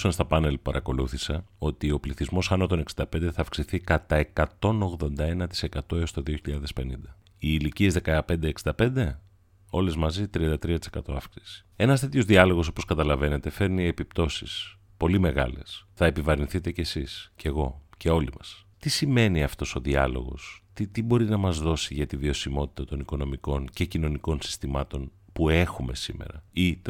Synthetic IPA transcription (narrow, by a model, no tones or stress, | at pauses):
sɐnst̪ɐpɐne̞lpɐɾʔɐko̞luθisɐo̞t̪io̞pliθizmo̞sɐnot̪o̞neksind̪ɐpe̞nd̪eθɐːfksiθikɐt̪ɐekɐt̪o̞no̞ɣðo̞nd̪ɐe̞nɐt̪i̥se̞kɐt̪o̞eost̪o̞ðio̞çiʎɐðe̞spe̞nind̪ɐ | iːlicie̞zðekɐpe̞nd̪eːksi̥nd̪ɐpe̞nd̪e̞ | o̞le̞zmɐzit̪ɾiɐnd̪ɐt̪ɾiɐt̪i̥sekɐt̪o̞ɐfksi̥si̥ | e̞nɐst̪et̪ço̞zðiɐlo̞ɣo̞so̞̥po̞skɐt̪ɐlɐve̞ne̞t̪e̞fe̞ɾnie̞pipt̪o̞sis | po̞lime̞ɣɐ̰le̞sθɐe̞pivɐɾinθit̪e̞cesisce̞ɣo̞ce̞o̞limɐst̪isime̞niɐft̪o̞so̞ðiɐ̰lo̞̰ɣo̞̰st̪it̪ibo̞ɾinɐmɐzðo̞siʝɐt̪ivio̞simo̞t̪i̥t̪ɐt̪o̞niko̞no̞miko̞nce̞cino̞niko̞nsi̥st̪imɐt̪o̞n | pue̞xume̞sime̞̰ɾɐ̰it̪